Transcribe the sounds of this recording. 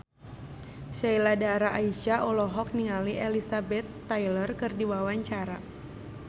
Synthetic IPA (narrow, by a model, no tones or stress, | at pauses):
ʃailadaɾaʔaiʃaʔɔlɔɦɔk̚niŋaliʔɛlisabɛt̪ːajlərkɨrdiwawaɲt͡ʃaɾa